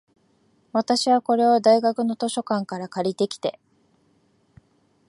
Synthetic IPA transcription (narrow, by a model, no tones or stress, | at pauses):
βat̪aɕiβ̞ako̞ɾe̞od̪aiɡakɯ̟no̞t̪o̞ɕo̞kãŋkaɾakaɾʲit̪e̞kʲi̥t̪e̞